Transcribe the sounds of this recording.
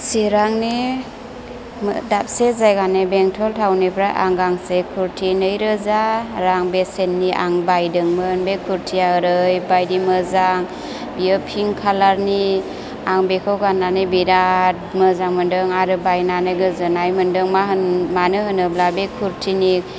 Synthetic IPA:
siɾaŋni | mdap̚sezajɡanebeŋtʰɔltʰawnipʰɾaʔaŋɡaŋsekʰuɾtʰinɯjɾɯzaɾaŋbesenːiʔa̰ŋbajdɯŋmɯnbekʰuɾtʰiaɾɯjbajdimɯzaŋ | bijɯpʰiŋkʰalaɾni | aŋbekʰɯwɡanːanɯjbiɾat̚mɯzaŋmɯndɯŋaɾɯbajnanɯjɡɯzɯnajmɯndɯŋmaɦmanɯɦɯnɯblabekʰuɾtʰinik

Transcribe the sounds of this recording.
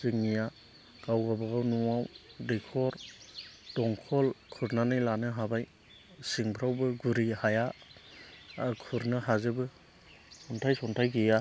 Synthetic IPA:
z̥ɯŋːija | ɡ̥awɡabɯɡawnuawdekʰɔɾ | dɔŋkʰɔlkʰuɾnanɯjlanɯɦabaj | siŋpʰɾawbɯɡuɾihaja | kʰuɾnɯɦazɯbɯ | sɔntʰajsɔntʰajɡija

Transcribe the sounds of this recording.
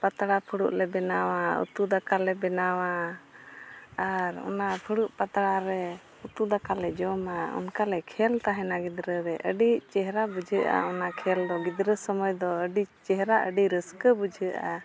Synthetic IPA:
pat̪ɽapʰəɽṵʔlɛbɛnawaṵt̪ud̪akalɛbɛnawa | aɾɔ̰napʰəɽuʔpat̪ɽaɾɛ | ut̪ud̪akalɛd͡ʒɔmaɔ̰nkalɛkʰɛlt̪aɦɛnaɡid̪ɾəɾɛʔə̰ɖit͡ʃɛɦɾabud͡ʒʱəʔa̰ɔnakʰɛld̪ɔɡid̪ɾəsəməjd̪ɔəɖit͡ʃɛɦɾaʔəɖiɾəskəbud͡ʒʱəʔa

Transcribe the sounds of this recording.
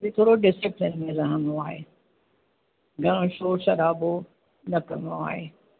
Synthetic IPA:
bit̪ʰoːɽoɖɪsɪplɪnmẽzɐɦɐ̃mõaːɦḛː | ɡʱɐɽ̃õʃoːʃɐɾaːbo | nɐkɐmõa̰ːɦḛː

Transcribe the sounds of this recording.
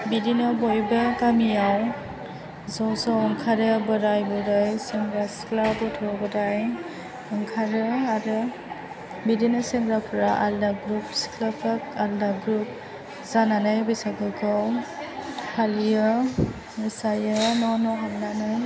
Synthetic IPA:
bidinɔbɔjbɯkamijaw | zɔwsɔwɔŋkʰaɾɯbɯɾajbɔɾɯjsemɾasklabɔtʰɔɡɔdaj | ɔŋkʰaɾɯaɾɯ | bidinasemɾapʰɯɾaʔaldaɡɾup̚sklapɯk̚aldaɡɾup̚ | z̥ananɯjbɯjsaɡɯkʰɔw | halijɯ | mɯsajɯnɔnɔɦalnanɯj

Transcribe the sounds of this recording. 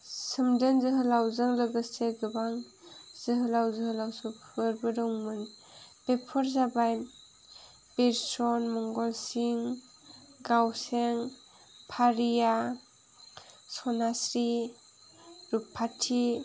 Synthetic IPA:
sɯmdɯnzɯɦɯlawzɯŋlɯɡɯseɡɯbaŋ | z̥ɯɦɯlawzɯɦɯlawsupɯɾbɯdɔwŋmɯnpepʰɔɾzabaj | beɾsɔnmɔŋɡɔlsiŋ | ɡawseŋ | pʰaɾija | sɔnasɾi | ɾupʰːatʰi

